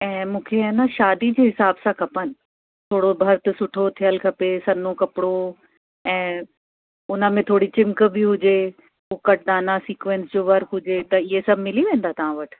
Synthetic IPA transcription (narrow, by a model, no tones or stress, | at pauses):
ɛ̃ːmũːkʰeɐnaʃaːd̪id͡ʑiːɦɪsaːbsãkʰɐpənɪ̆ | t̪ʰoːɽobʱɐɾt̪sʊʈʰot̪ʰijəlkʰɐpesɐnokɐpɪɽo | ɛ̃ː | ʊnəmẽt̪ʰoːɽit͡ɕɪ̃mk̆bɪɦʊd͡ʑe | ɦuːkɐʈ̚ʰd̪aːnasiːkʋẽnsd͡ʑoːʋɐɾɦʊd͡ʑet̪ɐɪɦesɐbʱmɪliʋẽːnd̪aːt̪ɐʋ̤ãʋɐʈʰ